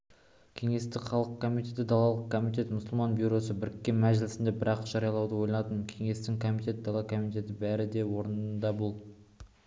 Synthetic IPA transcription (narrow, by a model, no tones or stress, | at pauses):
kʲʰe̞ŋe̞st̪ɪkχɑlˠəqkʰo̞mit̪e̞t̪ɪd̪ɑlˠɑlˠəq̚kʰo̞mit̪e̞t̪mʊsʊlˠmɑnbʲuɾo̞səbɪɾɪkʲːe̞nmæʒɪlɪsɪnd̪e̞bɪɾʔɑqʒ̥ɑɾijɑlˠɑwd̪əwo̞jlɑɑt̪ənkʲʰe̞ŋe̞st̪ɪŋkʰo̞mit̪e̞t̪̚d̪ɑlˠɑkʰo̞mit̪ʲe̞t̪ɪbæɾɪd̪e̞wo̞ɾənənd̪ɑbʊlˠ